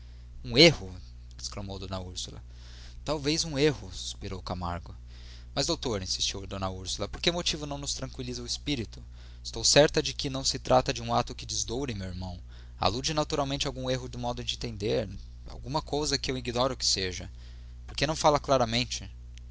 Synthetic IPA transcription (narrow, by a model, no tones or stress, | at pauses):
ũehʊ | ɪsklɐmowd̪õnɐuɾsulɐ̰ | t̪awvejzũehʊsu̥spiɾowkama̰ɾɡʊ | mɐzd̪owt̪oɾĩsi̥st͡ʃiwd̪õnɐuɾsulɐpoɾkemot͡ʃivʊnɐ̃w̃nʊst̪ɾɐ̃ŋkwilizɐʊɪspiɾit̪ʊ̥ | ɪst̪owsɛɾt̪ɐd͡ʒɪkɪnɐ̃w̃sɪt̪ɾʔat̪ɐd͡ʒɪũat̪ʊkɪd͡ʒɪzd̪owɾɪmewiɾmɐ̃w̃ | a̰lud͡ʒɪnat̪uɾawmẽnt͡ʃawɡũeɦʊd̪ũmɔd̪ʊd͡ʒɪẽnt̪ẽnd̪eɾ | a̰wɡũmɐkowzɐkɪewiɡnɔɾʊkɪ̥seʒɐ | poɾkenɐ̃w̃falɐklaɾɐmẽnt͡ʃɪ